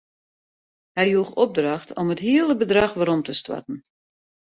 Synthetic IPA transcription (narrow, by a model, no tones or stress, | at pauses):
hɛjjuəxɔb̚draxtʰɔmətɦiəlˠəbədraxʋaɾɔmtʰəstwa̰tn̩